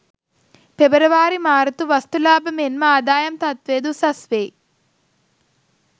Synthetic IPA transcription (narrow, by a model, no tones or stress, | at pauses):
pebəɾɐʋaːɾimaːɾɐt̪uʋɐst̪ulaːbɐmenmɐaːd̪aːjɐmt̪ɐt̪ʋeːd̪usɐsʋeː